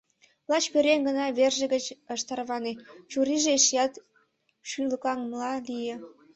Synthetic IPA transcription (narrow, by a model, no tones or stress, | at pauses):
plɑt͡ɕpøɾʲeŋɡənɑβerʒĕɡət͡ɕəʃt̪ɑrβɑnet͡ɕuɾiʒeʃjɑt̪ | ʃyləkɑŋmlɑlije